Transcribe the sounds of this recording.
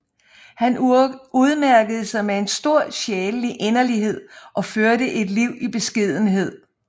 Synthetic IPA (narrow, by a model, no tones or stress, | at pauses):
hænuð̞ˠmæɐɡ̥əð̞̩ˠsɑ̈ɪmee̝nsd̥o̝ɐ̰ɕɛːləliʔe̝nɐliɦe̝ð̞̰ˠʔɒ̽føɐdɾəʔe̝d̥liʊ̰ib̥e̝sɡ̥ið̞̰ˠn̩ɦe̝ð̞̰ˠ